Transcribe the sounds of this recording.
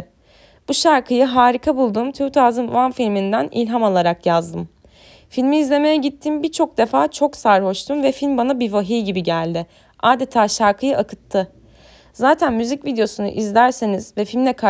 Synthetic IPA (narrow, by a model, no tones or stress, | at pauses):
b̥uʃaɾkʰɯjɯɦaːɾikʰabulˠd̪umt̪ʰyt̪ʰaːzɯn̰anfilʲmind̪ænilʲɦamalˠaɾakjazd̪ɯm | filʲmiːzlʲe̞me̞jɛɟit̪ʰːimbit͡ʃʰo̞k̚d̪e̞faːt͡ʃʰo̞ksaɾho̞ʃt̪ʰumvɛfilʲmbanabivaɦijɟibiɟælʲd̪ɪ | aːd̪e̞t̪ʰaːʃaɾkʰɯjɯʔakʰɯt̪ʰːɯ | zaːt̪ʰænmyzicvid̪ejo̞sunṵʔizlʲæɾseniz̥vɛfilʲmlʲɛkʰa